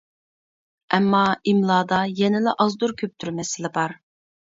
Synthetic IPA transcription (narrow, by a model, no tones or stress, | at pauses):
ɛmːɑimlˠɑːd̪ɑjɛnɪlɪʔɑzd̪uɾkʲʰøp̚t̪ʰyɾmɛsɪlɪbɑɾ